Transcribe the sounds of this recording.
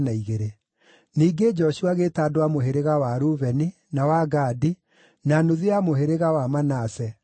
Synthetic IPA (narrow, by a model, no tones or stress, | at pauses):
naiɣeɾe | niːɡed͡ʒɔʃuaɣetaːdowamoɦeɾeɣawaɾuβɛni | nawaɡaːdi | nanoðeamoɦeɾeɣawamanaːsɛ